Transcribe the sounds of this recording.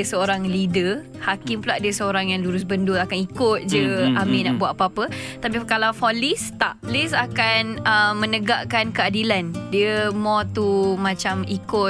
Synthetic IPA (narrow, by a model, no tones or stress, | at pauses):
əsəoɾaŋlidə | hakimpulaʔdiəsəoɾaŋjaŋluɾʊsbəndʊlakanikʊt̪̚d͡ʒəamĩnaʔbuat̪̚apəapət̪ap̬ipəkalafɔlist̪aʔlisakanəmə̃nəɡaʔkankəadilandiəmɔt̪umãt͡ʃamikʊ